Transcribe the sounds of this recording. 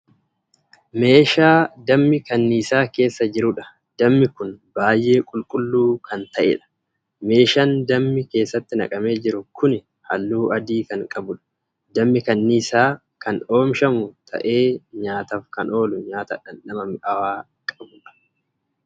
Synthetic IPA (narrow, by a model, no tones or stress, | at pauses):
me̞ːʃaːd̪ɐmːɪkɐnːiːsaːke̞ːsːɐd͡ʒɪɾʊᶑɐ̥ | d̪̥ɐmːɪkʊnbaːjʔe̞ːkʼʊlkʼʊlːuːkɐnt̪ɐʔɛ̰ᶑɐ̥ | me̞ːʃaːnd̪ɐmːɪke̞ːsːɐt̪ːɪnɐ̰kʼɐme̞ːd͡ʒɪɾʊkʰʊnɪ | hɐ̰lːuːʔɐd̪iːkɐŋkʼɐbʊᶑɐ̥ | d̪ɐmːɪkɐnːiːsaː | kɐno̞ːmʃɐmʊt̪ʰɐ̰ʔe̞ːɲaːt̪ɐfkɐno̞ːlʊɲaːt̪ɐ̰ᶑɐnːɐmɐmʔɐwaː | kʼɐbʊᶑɐ̥